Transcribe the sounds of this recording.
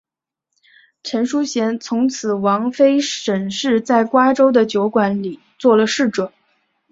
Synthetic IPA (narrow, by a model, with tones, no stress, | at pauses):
ʈ͡ʂʰə˧˥nʂu˥ɕjɛ˧˥nt͡sʰʊ˧˥ŋt͡sʰɹ̩˨˩wɑ˧˥ŋfe˥ɪʂə˨˩nʂɻ̩˥˧t͡sa˥˩ɪkwa˥ʈ͡ʂo˥ʊd̪ə˨t͡ɕjo˧˥ʊkwa˧˥nli˨˩˦t͡swɔ˥˩lə˩ʂɻ̩˥˩ʈ͡ʂwə˨˩˦n